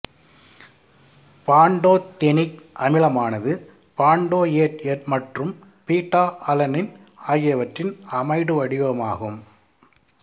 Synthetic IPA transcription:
paːɳɖoːt̪ɛnɪkʔɐmɪlɐmaːnɐðɯ | paːɳɖoːjeːʈɛrmɐʈrɯm | piːʈːaːʔɐlɐnɪn | aːjɪjɐʋɐʈrɪnɐmɐɪɽɯʋɐɽɪʋɐmaːɣɯm

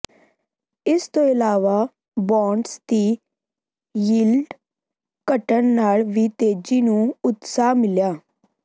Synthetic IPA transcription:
ɪst̪õːɪlaːʋaː | bɔ̃ːɳɖst̪iː | jiːlɖ | kəʈənnaːlʋiːt̪eːd͡ʒiːnũːʊt̪saːmɪljaː

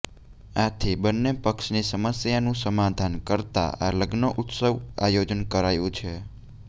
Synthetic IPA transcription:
at̪ʰibənːepəkʃnisəməsjanũsəmad̪ʱankəɾt̪a̰a̰ləɡnoʔʊt̪səʋajod͡ʒənkəɾajũt͡ʃʰe

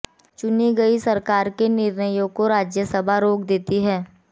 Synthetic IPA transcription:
t͡ʃʊniɡɐisɐɾkaːɾkenɪɾnəjõkoɾaːd͡ʒjəsəbʱaɾoːkd̪eːt̪iɦɛː

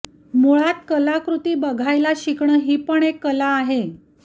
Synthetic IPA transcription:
moɭat̪̚kəlakɾut̪iːbəɡʱajlaɕikɳəɦiːpəɳekːəlaːɦe

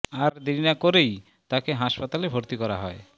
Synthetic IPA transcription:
aɾd̪ininakoɾej | t̪akeɦaʃpat̪alebʱoɾt̪ikɔɾaɦɔe

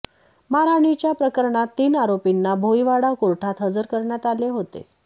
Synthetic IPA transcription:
maɾaɳ̃it͡ɕjapɾəkəɾɳat̪ːiːnaɾopinːabʱoiʋaɽakuɾʈʰat̪ɦəd͡zəɾkəɾɳjat̪aleɦot̪ḛ

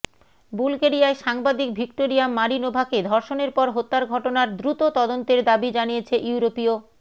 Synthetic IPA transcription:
bulkeɾiaeʃaŋbad̪ik̚bʱikʈoɾiamːaɾinobʱaked̪ʱɔɾʃoneɾpɔɾɦot̪ːaɾɡʱɔʈonaɾd̪ɾut̪ot̪ɔd̪ont̪eɾd̪abid͡ʑanijet͡ɕʰeʔuuɾopio

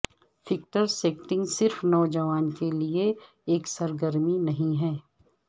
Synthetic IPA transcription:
fɪk̚ʈəɾseːkʈɪ̃ŋɡsɪɾfnɔːd͡ʒɐʋaːnkelie | eːksɐɾɡəɾminɐɦĩɦɛː

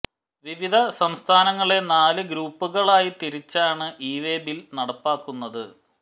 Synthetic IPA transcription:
ʋiʋid̪ʱɐsɐmst̪ʰaːnɐŋːɐɭe̞naːlɨɡɾuːpːuɣɐɭaːjit̪iɾit͡ɕːaːɳɨʔiːʋeːbilnɐɽɐpːaːkːunːɐðɨ

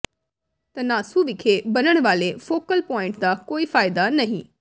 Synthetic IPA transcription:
t̪ɐnaːsuʋɪkʰebɐnəɽ̃ʋaːlefoːkəlpɔːɪ̃ɳʈd̪akoːifaːjd̪anɐɦĩ

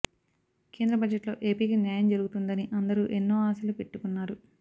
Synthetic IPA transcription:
ke̞ːnd̪ɾɐbɐd͡ʒeʈlo̞̰ːʔe̞ːpiːkinjaːjɐmd͡ʒɐɾuɡut̪und̪ɐniʔɐnd̪ɐɾuːʔenːo̞ːaːsɐlupe̞ʈːukunːaːɾu

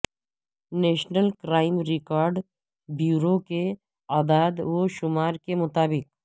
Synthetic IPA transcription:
neːʃnəlkɾaːɪmɾɪkaːɾɖ | bjuːɾoke | aːd̪aːd̪ʋoʃʊmaːɾkemʊt̪aːbɪk̚

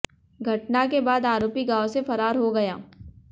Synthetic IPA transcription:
ɡʱɐʈnakebaːd̪aːɾoːpiɡaːosefɐɾaːɾɦoɡɐja̰ː

